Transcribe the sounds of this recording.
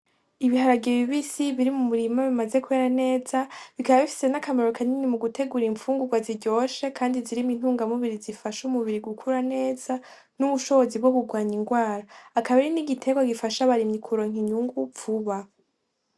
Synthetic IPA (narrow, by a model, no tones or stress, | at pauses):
iβihaɾaɡiβiβisiβiɾimumuɾimaβimazekue̞ːɾane̞ːzaβikaβaβifi̥se̞nakameɾokʰaninimuɡutʰe̞ɡuɾiɱfuːŋɡuɡwaziɾɟo̞ːʃe̞kʰaːndiziɾimin̥uːŋɡamuβiɾizifaʃumuβiɾiɡukʰuɾane̞ːz̥a | nuβuʃo̞βo̞zib̚ɡo̞kuɡwaːɲiŋɡwaːɾaːkaβeɾiniɡitʰe̞ɡwaɡifaʃaβaɾimɲikʰuɾo̞ŋ̥iɲuŋɡuvuβa